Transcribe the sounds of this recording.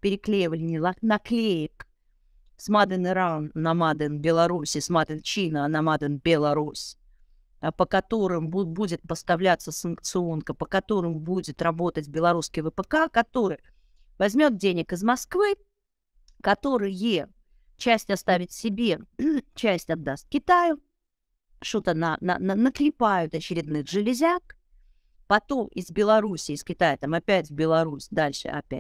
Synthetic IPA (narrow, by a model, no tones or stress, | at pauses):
pʲɪɾʲɪklʲejɪvəlʲɪnʲɪlˠɐnɐklʲejɪk | smad̪ɨnɨɾanːɐmad̪ɨnbʲɪlˠɐɾusʲɪsmad̪ɨnt͡ɕinənɐmad̪ɨnbʲɪlˠɐɾus | pəkɐt̪o̞ɾɨmbbudʲɪt̪̚pəst̪ɐvlʲat̪səsənk̚t̪sɨo̞nkəpəkɐt̪o̞ɾɨmbudʲɪt̪ɾɐbo̞t̪ətʲbʲɪlˠɐɾuskʲɪjvəpəkakɐt̪o̞ɾɨj | vɐzʲmʲo̞t̪̚dʲenʲɪkɨzmɐskvɨ | kːɐt̪o̞ɾɨjə | t͡ɕæsʲtʲɐst̪avʲɪt̪sʲɪbʲet͡ɕæsʲtʲɐd̪ːast̪kʲɪt̪ajʊ | ʂt̪ot̪ənɐnə̰nənəklʲɪpajʊt̪ɐt͡ɕɪɾʲɪd̪nɨʐɨlʲɪzʲak | pɐt̪o̞mʔɪzbʲɪlˠɐɾusʲɪːskʲɪt̪ajət̪amɐpʲætʲvbʲɪlˠɐɾusʲd̪alʲʂɨ̰ɐ̰pʲæ̰tʲ